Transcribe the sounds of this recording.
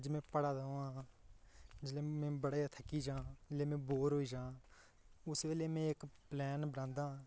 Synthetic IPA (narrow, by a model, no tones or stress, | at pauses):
d͡ʒmɛ̃ːpəɽaːd̪əa | d͡ʒɪleːmɛ̃ːbəɽaːjaːt̪ʰəkːiːd͡ʒãːd͡ʒɪleːmɛ̃ːboːɾɦoːiːd͡ʒãː | ʊsʋeːleːmɛ̃ːɪkplɛːnbəɽãːnd̪ãː